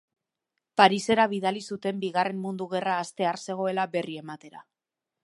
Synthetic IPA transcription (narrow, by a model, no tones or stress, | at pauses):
paɾise̞ɾaβiðalisut̪e̞mbiɣare̞mːund̪uɣe̞raːst̪e̞aɾse̞ɣ̞o̞e̞labe̞rie̞mat̪e̞ɾa̰